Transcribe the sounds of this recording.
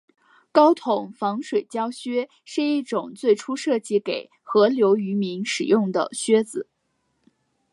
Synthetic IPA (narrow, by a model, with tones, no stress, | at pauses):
kɑ˥ʊt̪ʰʊ˨˩˦ŋfɑ˧˥ŋʂwe˨˩ɪt͡ɕjɑ˥ʊɕɥɛ˥ | ʂɻ̩˥˧i˥˩ʈ͡ʂʊ˨˩ŋt͡swe˥˩ɪʈ͡ʂʰu˥ʂɤ˥˧t͡ɕi˥˩ke˨˩ɪ | xɤ˧˥ljo˧˥ʊy˧˥mi˧˥nʂɻ̩˨˩jʊ˥˩ŋd̪ə̰˩ɕɥɛ˥d͡zɹ̩˨˩˦